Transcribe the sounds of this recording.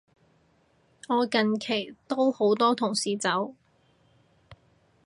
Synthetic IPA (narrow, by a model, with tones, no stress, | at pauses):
ŋɔː˨˧kɐ˨nkʰe˨˩jt̪o˥who˨˥wt̪ɔː˥t̪ʰʊ˨˩ŋsiː˨t͡sɐ˨˥w